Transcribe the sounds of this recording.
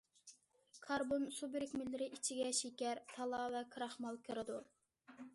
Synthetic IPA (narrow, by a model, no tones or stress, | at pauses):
kʰɑɾbonsubɪɾɪkʲmɪlːɪɾɪʔit͡ʃʰiɡʲɛʃekʲɛɾt̪ʰɑlˠɑvɛkʰɨɾɑχmɑlˠkʲʰɨɾɪd̪u